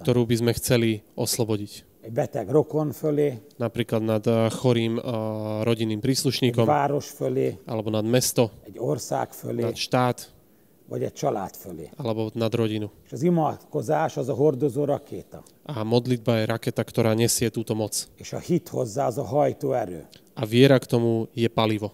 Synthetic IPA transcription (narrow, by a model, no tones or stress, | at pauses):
kt̪ɔɾuːbizmɛxt͡sɛliɔslɔbɔɟic | ɛɟbɛt̪ɛɡrokonføleːnapɾiːklad̪nad̪xɔɾiːmɾɔɟinːiːmpɾiːsluʃɲiːkɔmvaːɾoʃføleːʔalɛbɔnad̪mɛst̪ɔɛɟorsa̰ːkfø̰lenaːt̪ʃt̪aːt̪ | ʋɒ̰ɟɛ̰c̚t͡ʃɒla̰ːt̪følḛːalɛbɔnad̪ɾɔɟinueːʃɒzimɒt̪kozaːʃɒzɒɦord̪ozoːɾɒkeːt̪ɒ̰ | ʔamɔd̪lid̪̚bajɛɾakɛt̪akt̪ɔɾaːɲɛsɪɛt̪uːt̪ɔmɔt͡seːʃɒ̰hit̪hozːaːɒzɒɦɒjt̪oːɛɾø̰ːʔaʋɪɛɾakt̪ɔmujɛpaliʋɔ